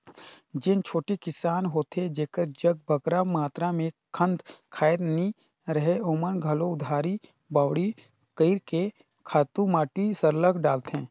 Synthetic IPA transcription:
d͡ʒɪnt͡ʃʰoːʈekɪsaːnɦoːt̪ed͡ʒeːkəɾd͡ʒəɡ̚bʱəkɾamaːt̪ɾamẽkʰə̃nd̪kʰaːɪɾni | ɾəɦeoːmənɡʱɐloʊd̪ʱaːɾi | baːwɽi | kəɪɾke | kʰaːt̪ũmaːʈisəɾləkʰɖaːlt̪ɦɛ̃ː

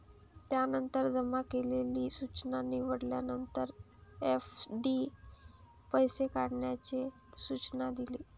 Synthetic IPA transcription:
t̪janənt̪əɾd͡zəmakeleliːsut͡ɕnanːiʋəɽljanənt̪əɾ | efɖi | pəjsekaɽɳjat͡ɕe | sut͡ɕnad̪iliː

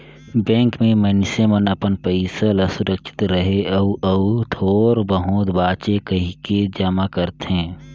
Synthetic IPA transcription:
bɛ̃ːŋkmẽmənsemənəpənpəɪsələsʊɾəkʃɪ̥t̪ɾəɦeəuʔət̪ʰoːɾbəɦʊt̪baːt͡ʃekəɦiked͡ʒəmakəɾt̪ɦẽː

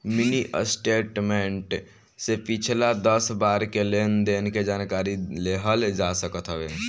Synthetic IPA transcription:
miniʔə̰sʈeʈmeɳʈ | sepit͡ʃʰlad̪əsbaɾkelend̪enked͡ʒankaɾileɦəld͡ʒasəkət̪ʰɦəbe

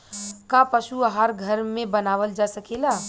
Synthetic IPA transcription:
kapəʃuəɦaɾɡʱəɾmẽbənaʋəld͡ʒasəkela

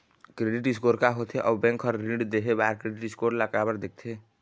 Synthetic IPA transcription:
kɾeːɖɪʈɪskoːɾkaɦot̪ʰeʔɔːbɛ̃ːŋkɔːɾɾiɳɖd̪eɦebaːɾkɾeɖɪʈɪskoːɾlakabəɾd̪ek̚ʰt̪ʰe

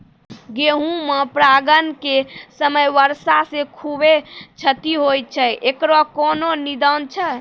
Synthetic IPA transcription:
ɡeɦũmepɾaɡənkesəməjʋəɾsasẽkʰubet͡ʃʰət̪iɦojt͡ʃʰəʔekɾɔkɔnonid̪ənt͡ʃʰə

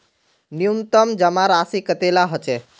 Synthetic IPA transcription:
nijunt̪əmd͡ʒəmaɾaːsikət̪elaɦɔt͡ʃe

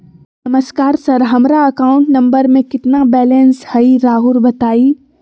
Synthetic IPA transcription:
nɐməskaːɾsɐɾɦɐmɾaɐkaːʊ̃ɳʈnɐ̃mbəɾmẽkɪt̪nabɛːleːnshɐiɾaːɦuɾbɐt̪aːiː

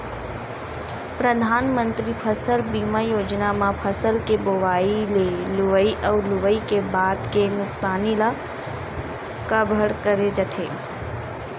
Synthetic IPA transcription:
pɾəd̪ʱaːnmə̃nt̪ɾipʰəsəlbiːmajoːd͡ʒnamãpʰəsəlkeboʋaːilelʊʋəiʔəwlʊʋəikebaːd̪kenʊksaːnila | kəbʱəɽkəɾed͡ʒət̪ʰeː

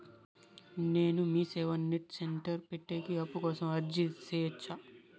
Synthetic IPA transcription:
neːnumiːsɛːʋɐnːiʈ̚seɳʈɐɾpeʈːeːkiɐpːukɔːsɐmɐɾd͡ʒiseːjɐt͡ʃːa

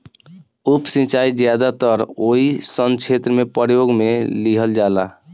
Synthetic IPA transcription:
upsĩt͡ʃaid͡ʒjad̪at̪əɾoisənt͡ʃʰet̪ɾəmepəɾjoɡmeliɦəld͡ʒala̰

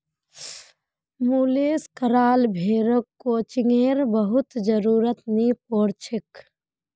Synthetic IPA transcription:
muːleːskəɾaːlbʱeːɾəkːoːt͡ʃiŋeːɾbəɦʊt̪d͡ʒəɾuːɾət̪nipoːɾt͡ʃʰɪk

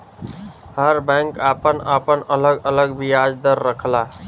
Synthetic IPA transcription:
həɾbɛ̃ŋkapənapənələɡələɡbijad͡ʒd̪əɾːəkʰla

